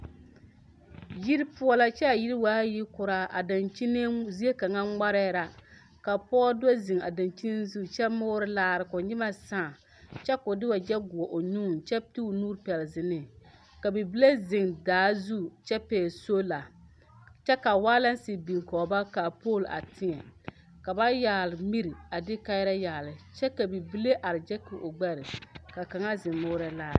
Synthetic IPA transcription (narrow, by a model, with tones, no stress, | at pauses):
ji˦ɾpu˦ɔ˨la˨t͡ʃɛ˦a˨ji˦ɾi˦waː˦ji˦kʊ˨ɾa˨a̰˨da˨nt͡ʃi˦ne˦zi˦e˦ka˨ŋa˦ŋ͡ma˦ɾɛ˦ɾa˨ | ka˨pɔ˦da˦zɪ˨ŋa̰˨da˨nt͡ʃi˦ni˦n˦zu˦t͡ʃɛ˦mʊ˦ɾɪ˦laː˦˨ɾɪ˨kʊ˨ɲɪ˦ma˦sa˦˨ | t͡ʃɛ˦kʊ˨dɪ˦wa˨d͡ʒɛ˦ɡʊ˨ɔ˨ʔo˨ɲu˦˨nt͡ʃɛ˦ti˦˨nuː˦ɾpɛ˨lzɪ˨nɪ˨ | ka˨bi˨bi˦le˦zɪ˨ŋdaː˨˦zu˦˨t͡ʃɛ˦pɛː˨so˦la˨ | t͡ʃɛ˦ka˨waː˦la˦n˦si˨bi˨ŋ˨kɔː˨ba˦ka˨po˦˨la̰˨tʰɪ˦ɲɛ˨ | ka˨ba˦ja˨lɪ˨mi˦ɾi˨a˨dɪ˦ka˦ɪ˦ɾa˦jaː˨lɪ˨t͡ʃɛ˦ka˨bi˨bi˦le˦ʔa˨ɾɪ˨d͡ʒɛ˦kʊ˨ʔo˨ɡ͡bɛ˦ɾɪ˨ka˨ka˨ŋa˦zɪ˨ŋmoː˦ɾa˦laː˦ɾ